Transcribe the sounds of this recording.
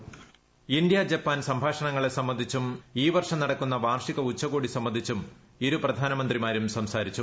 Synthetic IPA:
ind̪jɐd͡ʑɐpːaːnsɐmbʱaːʂɐɳɐŋːɐɭe̞sɐmːɐnd̪ʱit͡ɕːumiːʋɐrʂɐmnɐɽɐkːunːɐʋaːrʂiɣɐut͡ɕːɐɣoːɽisɐmːɐnd̪ʱit͡ɕːum | iɾuprɐd̪ʱaːnɐmɐnd̪rimaːɾumsɐmsaːɾit͡ɕːu

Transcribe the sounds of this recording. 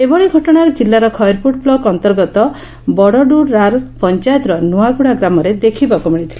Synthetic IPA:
ebɔɭiɡʱɔʈɔɽ̃akd͡ʒilːaɾɔkʰɔjɾpuʈ̚blɔɡɔnt̪ɔɾɡɔt̪ɔ | bɔɽɔɖuɾaɾpɔnt͡ʃajt̪ɾɔnuaɡuɽaɡɾamɔɾed̪ekʰibakumiɽ̃it̪ʰili

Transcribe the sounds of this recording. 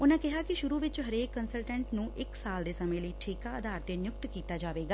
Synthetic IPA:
ʊnãːkɪɦaːkɪʃʊɾuːʋɪt͡ʃɦəɾeːkːənsəlʈɛ̃ːɳʈnũːʔɪksaːld̪eːsəmẽːləiːʈʰiːkaːəd̪aːɾt̪eːnjʊk̚t̪kiːt̪aːd͡ʒaːʋeːɡaː

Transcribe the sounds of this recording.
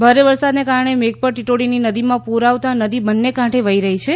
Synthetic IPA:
bʱaɾeʋəɾsad̪nekaɾɳemek̚pəɾʈiʈoɽininəd̪imãpuɾaʋt̪anəd̪ibənːekãʈʰeʋəiɾəɦit͡ʃʰe

